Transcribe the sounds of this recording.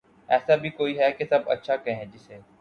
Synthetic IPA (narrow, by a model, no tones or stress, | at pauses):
ɛːsabʱikoːiɦɛkesɐbɐ̰tːʃʰakɐẽɦɛ̃d͡ʒɪseː